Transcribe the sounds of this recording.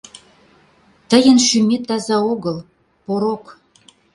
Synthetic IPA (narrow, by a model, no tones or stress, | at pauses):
t̪ə̆jə̆nʃymʲet̪ːɑzɑoɣəl | poɾok